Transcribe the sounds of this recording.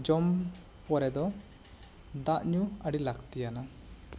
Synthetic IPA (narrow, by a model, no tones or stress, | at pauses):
d͡ʒɔm | pɔɾɛd̪ɔ | d̪aʔɲuaɽilaɡt̪ijana